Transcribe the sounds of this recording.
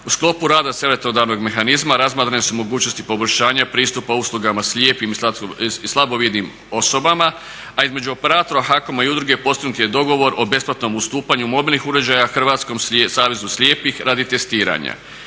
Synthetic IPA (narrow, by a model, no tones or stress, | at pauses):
usklˠo̞puɾaːd̪asje̞le̞t̪nod̪aɾno̞ɡme̞xanizmaɾazmaːt̪ɾanesumo̞ɡuːt͡ɕnost̪ipo̞bolʲʃaːɲapɾiːst̪upauslˠuɡamasljeːpimislˠabo̞ʋjed̪nim | o̞so̞bama | aizme̞d͡ʑuo̞pe̞ɾaːt̪oɾaxakomaiud̪ɾuɡe̞po̞st̪iɡnut̪jed̪o̞ɡo̞ʋo̞ɾʔo̞be̞splˠat̪no̞must̪uːpaɲumo̞bilˠnixuɾed͡ʑajaxr̩ʋaːt̪sko̞msaːʋe̞zuslʲje̞ːpixɾʔad̪it̪e̞st̪iːɾa̰ɲa̰